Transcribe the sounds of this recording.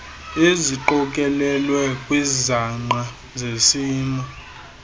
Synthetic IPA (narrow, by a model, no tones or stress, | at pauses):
eziǃɔkʼɛlɛlwɛkʼwizaŋ͡ǃa | zesiːnɔ